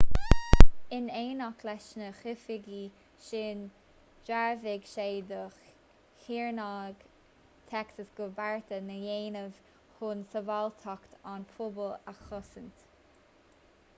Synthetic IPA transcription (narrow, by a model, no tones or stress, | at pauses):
ɪneːnɔklɛʃnəxɪfɪɡi | ʃɪn | d͡ʒaɹvɪɡʃeːd̪əx | hiːɹnaɡ | t̪ʰɛksəsɡ̥ʊbaɹt̪ənəjeːnəv̥ | hʊnsəvalt̪ʰɔkt̪anpʰʊbəlaxɔsənt̪